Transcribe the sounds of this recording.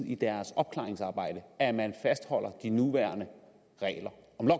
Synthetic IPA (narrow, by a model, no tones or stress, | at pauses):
ð̰ˠid̥æɐsɒ̽b̥̚kʰlɑ̈ːeŋsɑ̈ːb̥ɑ̈ɪ̰d̥əæmænfæsd̥hɒ̽l̰ɐd̥inuʋæɐnə | ʁɛ̰ːlɐɒ̽mlɒ